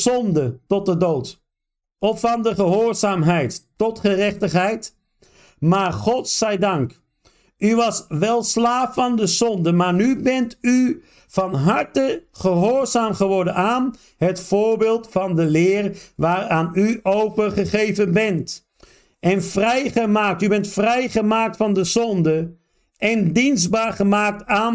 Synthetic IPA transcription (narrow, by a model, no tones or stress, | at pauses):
zɔndətɔt̚dədowt | ɔfːɑndəχəɦʊːɹzaːmɦɛjttɔtχərɛχtəχɦɛjt | maːɹχɔtsɛjdɑŋk | yʋɑsʋɛlˠslaːfɑndəzɔndəmaːɹnybɛnty | v̥ɑnɦɑɹtəχəɦoːɹzaːmχəʋɔɹdənaːn | ɦətfʊːɹbɪːlˠtfɑndəlɪːrʋaːraːnyowpəχəχejvənbɛnt | ʔɛnvrɛjχəmaːk̚tybɛntfrɛjχəmaːk̚tfɑndəzɔndə | ʔɛndinzdbaːɹχəmaːk̚taːn